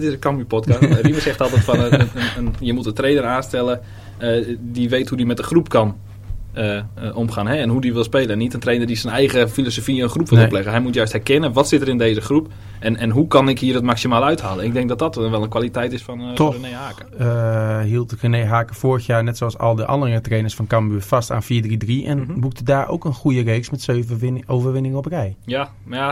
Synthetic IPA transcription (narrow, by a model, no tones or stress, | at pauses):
tɪsəkɔmypɔtkɔsriməsɛxtɔlˠtɛtfɔnəənənjəmutəntreːnəraːnstɛlˠə | diʋeːthudimɛt̚dəxrupkʰɔn | əʔomχaːnɦɛɛnɦudiʋɪlˠspeːlˠənitəntreːnərdisənɛjɣəfilosofinχrupʋɪlˠoplɛɣəɦɛjmutjœɥsthɛrkɛnənʋɔtsɪtəɾɪndeːzəxrup | ɛnɛnɦukɑnɪkɦiːəətmaksimaːlˠœɥthaːlˠənɪɡ̚dɛŋk̚dɔt̚dɔtnʋɛlˠənkʋalitɛjtɪsfɔntʰɔəneaːkə | ɦilˠtrənejɦaːkəfoːɹəxjaːɹnɛtsoɑsɑ̰lˠdəʔɑ̰ndərətreːnəsfɔnkɑmbyfɑsta̰ːnfiːɹdridriʔɛ̰nbuk̚tʰədaːɹʔo̰wkənχujərejksmɛtsøvowvəɹʋɪnɪŋəɔprɛjja | a